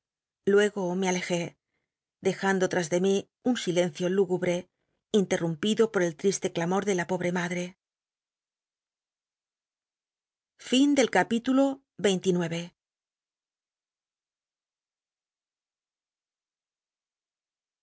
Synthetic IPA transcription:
lwe̞ɣo̞meale̞xe̞ | ðe̞xand̪o̞t̪ɾazðe̞mi | unsile̞n̟θjo̞luɣuβɾe̞ | int̪e̞rumpiðo̞po̞ɾe̞lt̪ɾist̪e̞klamo̞ɾðe̞lapo̞β̞ɾe̞maðɾe | find̪e̞lkapit̪ulo̞ | βe̞jnt̪inwe̞βe̞

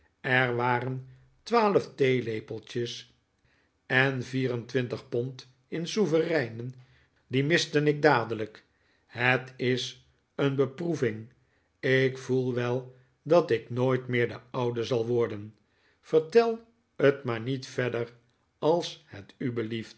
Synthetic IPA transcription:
ɛɹʋaːrən | tʋaːləftejlejpəlˠt͡ʃəs | ɛnviːrəntʋɪntəχpɔnt | ɪnsuvərɛjnən | dimɪstənɪɡ̚daːdələk | ɦətɪs | ənbəpruvɪŋ | ɪkfulˠʋɛlˠ | dɑtɪknoːjtmɪːɹdəʌwdəzɑlˠʋɔɹdən | fəɹtɛlˠ | ətmaːɹnitfɛdər | ɑlˠshətybəlift

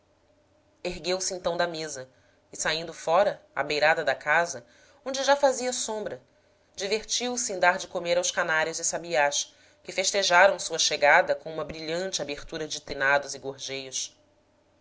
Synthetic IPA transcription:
eɦɡewsɪẽnt̪ɐ̃w̃d̪ɐmezɐ | ɪsaĩnd̪ʊfɔɾɐa̰bejɾad̪ɐd̪ɐkazɐ | õñd͡ʒɪʒafaziɐsõmbɾɐ | d͡ʒiveɾt͡ʃiwsɪẽd̪aɾd͡ʒɪkomeɾawskanaɾjʊzɪsabiaʃ | kɪfeʃt̪eʒaɾɐ̃w̃suɐʃeɡad̪ɐkõũmɐbɾiʎɐ̃nt͡ʃɪabeχt̪uɾɐd͡ʒɪt̪enad̪ʊzɪɡoɾʒejʊs

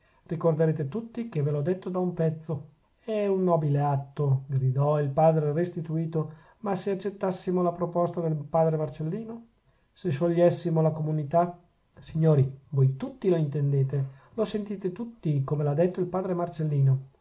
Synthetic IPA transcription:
rikord̪eɾeːt̪et̪ut̪ːikevelɔd̪ːet̪ːod̪aumpɛt̪sːo | ɛunːɔːbileat̪ːoɡɾid̪ɔilpaːd̪ɾerest̪it̪uiːt̪o | maseat͡ʃːet̪ːasːimolapɾopɔst̪ad̪elpaːd̪ɾemart͡ʃelːiːno | seʃoʎːɛsːimolakomunit̪a | siɲːoːɾivojt̪ut̪ːiloint̪end̪eːt̪e | losent̪iːt̪et̪ut̪ːikomelad̪ːet̪ːoilpaːd̪ɾemart͡ʃelːiːno

